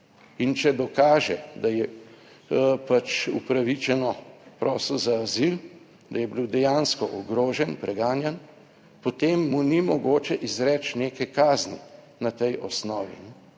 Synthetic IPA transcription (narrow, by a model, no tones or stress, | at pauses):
int͡ʃɛd̪ɔkaːʒɛd̪ajɛ | pat͡ʃupɾaʋit͡ʃɛnɔpɾʔɔːslɔzaːzil | d̪ajɛbiwd̪ɛjanskɔʔɔɡɾoːʒɛnpɾʔɛɡaːnjɛn | pot̪emːunimɔɡoːt͡ʃɛʔizɾɛːt͡ʃneːkɛkaːznḭ | nat̪ɛjʔɔsnɔːʋḭ